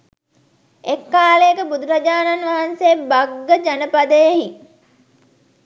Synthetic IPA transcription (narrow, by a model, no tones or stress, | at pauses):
ekːaːlejəkəbud̪uɾad͡ʒaːnanʋaɦanseːbaɡːəd͡ʒanəpad̪əjeɦi